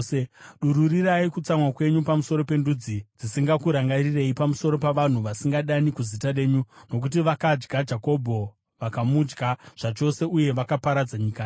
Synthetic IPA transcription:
eɗuɾuriɾaikut͡samwakwe̞ɲupamuso̞ɾo̞pe̞ndud͡zid͡zisiŋɡakuɾaŋɡarire̞ipamuso̞ɾo̞paʋan̤uʋasiŋɡaɗanikuzitare̞ːɲuno̞k̬ut̬iʋakad͡ʒɡad͡ʒako̞bʱo̞ | ʋakamud͡ʒɡaʐ̥at͡ʃo̞se̞uje̞ʋakapaɾad͡zaɲikaː

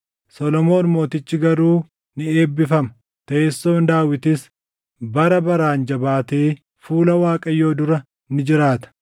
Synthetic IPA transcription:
sɔlɔmo̞ːnmo̞ːt̪ɪt͡ʃːɪɡɐɾuː | nɪeːbːɪfɐmɐ | t̪eːsːo̞ːnd̪aːwɪt̪ɪs | bɐɾɐbɐɾaːnd͡ʒɐbaːt̪eː | fuːlɐwaːkʼɐjːo̞ːd̪ʊɾɐ | nɪd͡ʒɪɾaːt̪ɐ̥

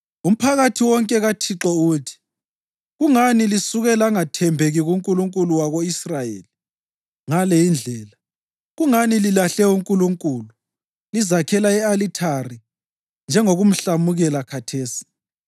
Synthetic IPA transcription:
um̩pʰaɣatʰiwɔŋkʼɛɣatʰiǁɔutʰi̥ | ɣuŋanilisuɣɛlaŋatʰɛmbʱeɣiɣuŋkʼuluŋkʼuluwaɣoisrajḛːli | ŋalɛjind͡ɮʱɛːla | ɣuŋanililaɬɛuŋkʼuluŋkʼuːlu | lizakʰɛlaɛalitʰari | nd͡ʒʱɛŋoɣum̩ɬamuɣɛlakʰatʰeːsi̥

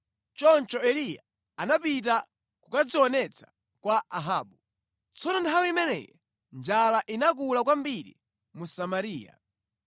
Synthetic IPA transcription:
t͡ʃɔnt͡ʃɔɛlija̰ | anapit̬a | kukad͡ziɔnɛt͡sʰḁ | kwaaɦaːɓu | t͡sɔnɔntʰawiimɛnɛ̰jɛ | nd͡ʒalaʔinak̬ulakwambiɾḭ | musamaɾiːja̰

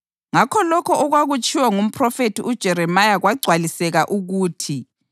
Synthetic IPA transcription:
ŋakʰɔlɔkʰɔɔɣwaɣut͡ʃʼiwaŋum̩pʰrɔfetiʔud̥ʒ̥ʱɛɾɛmajaɣwaɡ͡ǀʱwalisɛɣaʔuɣuːtʰi

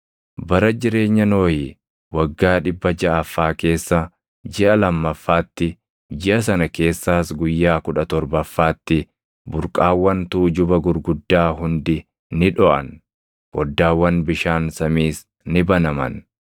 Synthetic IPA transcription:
bɐɾɐd͡ʒɪɾe̞ːɲːɐno̞ːjɪ | wɐɡːaːᶑɪbːɐd͡ʒɐɐfːaːke̞ːsːɐ | d͡ʒɪʔɐlɐmːɐfːaːt̪ːɪ | d͡ʒɪʔɐs̬ɐnɐke̞ːsːaːsɡʊjːaːkʊᶑɐt̪ɔɾbɐfːaːt̪ːɪ | bʊɾkʼaːwːɐnt̪uːd͡ʒʊbɐɡʊɾɡʊd̪ːaːɦʊnd̪ɪ | nɪᶑɔʔɐ̰n | wɔd̪ːaːwːɐnbɪʃaːnsɐmiːs | nɪbɐnɐmɐ̰n

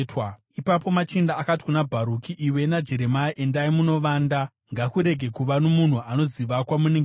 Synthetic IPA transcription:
tw | ipapo̞mat͡ʃindaːkati̥kunabʱaɾukiʔiwe̞nad͡ʒe̞ɾe̞majiʔendaimuno̞ʋaːnda | ŋɡakuɾe̞ɡʱe̞kuʋanomun̤uano̞ziʋakwamuneŋɡ

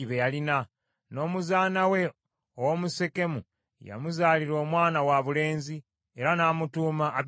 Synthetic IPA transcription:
iβejalina | no̞ːmuzaːnawe̞ | owomuse̞ke̞mṵ | ja̰muzaːliɾo̞ːmwaːnawaβule̞ːnzi | eɾanaːmutuːmaʔː

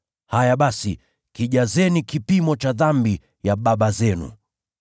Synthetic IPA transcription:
hajaɓasi | kiʄazɛnikipimɔt͡ʃaðambi | jaɓaɓazɛnṵ

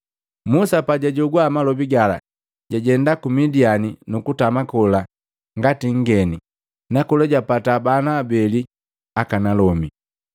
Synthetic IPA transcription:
musapaɟaɟɔɡwaːmalɔbiɡala̰ | ɟaɟɛndakumidianinukutamakɔla | ŋɡatiŋ̩ɡɛni | nakulɛɟapatabanaːbɛli | akanalɔmi

